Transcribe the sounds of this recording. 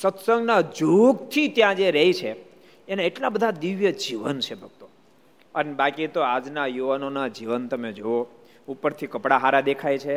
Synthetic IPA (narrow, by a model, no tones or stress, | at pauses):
sət̪səŋɡnad͡ʒoɡt̪ʰit̪jãd͡ʒeɾəɦit͡ʃʰe | enaeʈlabəd̪ʱad̪iʋjəd͡ʒiʋənt͡ʃʰebʱəɡ̚t̪o | ənebakit̪oad͡ʒnajuʋanonad͡ʒiʋənt̪əmed͡ʒoʋo | upəɾt̪ʰikəpɽaɦaɾad̪ekʰajt͡ʃʰe